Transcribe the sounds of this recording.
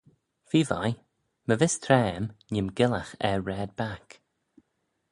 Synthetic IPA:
fiːva̰j | məvɪst̪ʰɾɛːmɲɪmɡɪlaxɛɹɹɛːd̪̚bak

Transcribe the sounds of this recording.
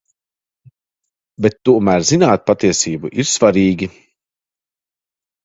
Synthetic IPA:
bet̪ːuɔmæːɾzinaːt̪̚pat̪iɛsiːbuʔiɾsvaɾiːɡʲi

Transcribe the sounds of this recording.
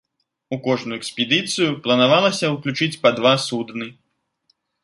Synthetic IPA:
ukɔʐnujuɛkspʲɛd̪ɨt̪sɨjuplˠɐnavalˠɐsʲɐuklʲut͡ʂɨt͡sʲpɐd̪vasud̪nɨ

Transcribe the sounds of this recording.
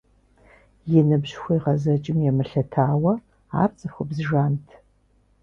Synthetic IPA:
jɛnɨbʑxʷɔjʁɐzɐt͡ʃʼɪmjɛmɨɬɐtʰaːwɐ | a̰ːrt͡sʼɨxʷʊbzɨʒaːntʰ

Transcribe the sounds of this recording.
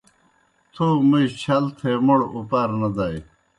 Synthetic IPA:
t̪ʰoːmujt͡ɕʰɐlt̪ʰemuɽupaːɾnɐd̪aj

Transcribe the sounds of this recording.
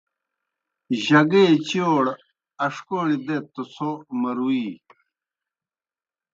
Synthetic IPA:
ʑɐɡeːt͡ɕoːɽ | ɐʂkoːlid̪et̪usomɐɾuiː

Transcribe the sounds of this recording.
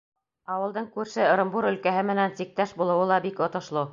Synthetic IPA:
ɑwɤ̆lˠd̪ɤɴkʉɾʃɘ̆ɾɤ̆mbuɾɵ̆lkæɦɘmɘ̆nænsik̚t̪æʃbulˠɤ̆wɤlˠɑbikŏt̪ŏʃlˠo

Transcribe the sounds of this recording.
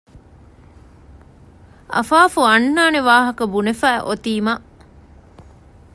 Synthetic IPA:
ɐ̰faːfuɐnːaːneʋaːɦɐkɐbunefæːʔot̪iːmaʔ

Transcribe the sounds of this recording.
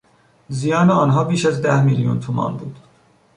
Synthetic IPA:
zijɑːneɒːnɦɒːbiːʃæzd̪æhmiljṵnt̪ʰomɑ̰ːnbuːd̪̥

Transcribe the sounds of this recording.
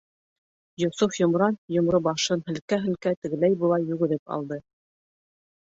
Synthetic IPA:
jŏsufjŏmɾɑnjŏmɾobɑʃɤnɦɘ̆lkæɦɘ̆lkæt̪ɘ̆ɡɘ̆læjbŭlˠɑjːʉɡɘ̆ðɘpɑ̰lˠd̪ɤ

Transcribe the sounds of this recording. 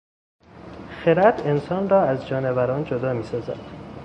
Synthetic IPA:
xe̞ɾæd̪̥e̞nsɒːnrɒːæzd͡ʒɒːnevæɾɒːnd͡ʒod̪ɒːmiːsɒːzæ̰d̪̥

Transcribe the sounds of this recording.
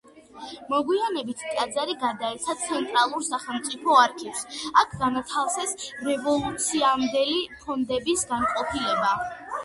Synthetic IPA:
mɔɡwianɛbit̪ʰt̪ʼad̪zaɾiɡaɾd̪aɛɾt̪sʰat̪sʰɛnt̪ʼɾalˠuɾsaχɛlˠmt̪sʼipʰɔaɾkʰivsakʰɡanat̪ʰalˠsɛsɾɛvɔlˠut̪sʰiamd̪ɛlipʰɔnd̪ɛbisɡanqʼɔpʰilɛba

